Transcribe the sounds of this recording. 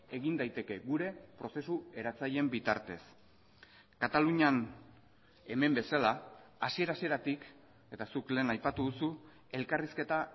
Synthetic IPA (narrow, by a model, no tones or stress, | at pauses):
e̞ɣind̪ajt̪e̞ke̞ɡuɾe̞pɾo̞se̞sue̞ɾat͡saje̞mbit̪aɾt̪e̞s | kat̪aluɲan | e̞me̞mbe̞salaasie̞ɾasie̞ɾat̪ik | e̞t̪asukle̞ːnajpat̪uðusu | e̞lkariske̞t̪a